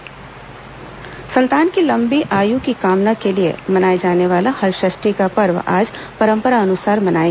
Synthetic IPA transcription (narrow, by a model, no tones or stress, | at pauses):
sɐ̃nt̪aːnkilɐ̃mbiʔaːjukikaːmnakeliḛmɐnaːjed͡ʒaːneʋaːlahɐɾʃɪʃʈikapɐɾʋa̰ːd͡ʒpɐɾə̃mpəɾaɐnʊsaːɾmɐnaːe